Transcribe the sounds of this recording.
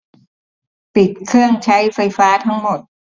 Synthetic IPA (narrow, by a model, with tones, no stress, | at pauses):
pi˨˩t̪̚kʰɯ˥˩əŋt͡ɕʰa˦˥jfa˧jfaː˦˥t̪ʰa˦˥ŋmo˨˩t̪̚